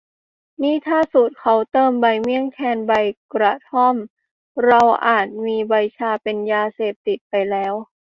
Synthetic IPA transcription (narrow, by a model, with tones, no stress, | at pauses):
niː˥˩t̪ʰaː˥˩su˨˩t̪̚kʰa˨˦wt̪ɤː˧mba˧˩jmi˧˥˩əŋkʰɛː˧nba˧˩jkɾa˧˩t̪ʰɔ˥˨m | ɾa˧wʔaː˨˩t̪̚miː˧ba˧jt͡ɕʰaː˧pe˧njaː˧seː˨˩p̚t̪i˨˩t̪̚pa˧jlɛː˦˥w